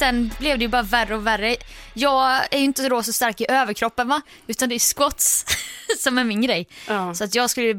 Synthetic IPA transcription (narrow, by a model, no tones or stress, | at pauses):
sɛnblɛvd̪ɛjɵbɑːɾaværːəɔværːəjɑːɡæɾjɵɪnt̪ːəd̪oːsɔst̪aɾkɪʔøːvəɾkʰɾɔpːənva | ʉ̟ːt̪and̪ɛæʂkwɔt̪ssɔmæɾmɪnɡɾɛjːsɔat̪jɑːɡskɵlːə